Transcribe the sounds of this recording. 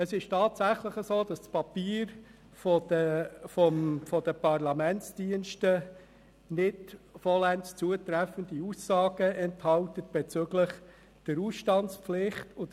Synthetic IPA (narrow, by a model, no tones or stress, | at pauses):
əsɪʃtɑːtsæχləχəzoːd̥ɑst͡spɑpiːɾ | fɔdəfɔmfɔd̥əpʰɑrlɑmɛnt͡sd̥iənʃtə | nɪdfɔlænst͡suətɾɛfəndiuːsːɑːɡəʔɛnthɑltət̚b̥ɛt͡sʏɡ̥lɪχ | d̥əɾuːsʃtɑntsflɪχtʊd